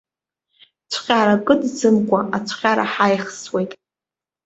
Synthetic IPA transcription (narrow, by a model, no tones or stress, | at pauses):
t͡sʷʰχʲʼaɾakʼɨdt͡sɨmkʷʼaʔat͡ɕʷʰχʲaɾa̰ħajχswe̞jtʼ